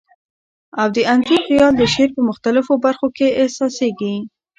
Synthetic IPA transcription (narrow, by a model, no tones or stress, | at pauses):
awd̪əʔant̪ixɪjɑld̪əʃeɾpəmʊxt̪alɪfobaɾxokeːhsɑseɡi